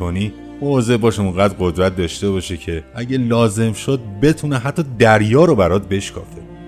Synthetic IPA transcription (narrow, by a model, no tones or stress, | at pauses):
oniː | moze̞ʔbɒːʃuŋɡæːd̪ɢo̞d̪ɾæt̪̚ʰd̪ɒːʃt̪e̞bɒːʃecʰeʔæɟelɒːze̞mʃod̪̚be̞t̪ʰuneɦæt̪ʰːɒːd̪æɾjɒːɾobæɾɒːt̪̚be̞ʃkʰɒ̰ːfe